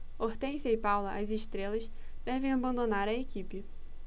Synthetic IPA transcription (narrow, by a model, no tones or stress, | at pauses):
oht̪ẽj̃sɐɪpawlɐʔɐzɪʃt̪ɾelɐs | d̪̥ɛvẽj̃abɐ̃nd̪onaɾɐekipɪ